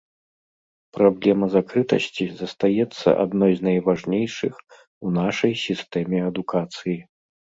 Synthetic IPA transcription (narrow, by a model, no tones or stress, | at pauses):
pɾablʲɛmɐzakɾɨt̪ɐ̰sʲt͡sʲizɐst̪ajɛt̪sːɐ̰ʔa̰d̪nɔjzʲnɐjvaʐnʲejʂɨx | unaʂɐjsʲist̪ɛmʲɛɐd̪ukʰat̪sɨji